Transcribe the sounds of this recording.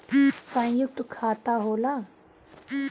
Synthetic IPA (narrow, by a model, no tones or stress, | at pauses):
sə̃juk̚t̪kʰat̪aɦola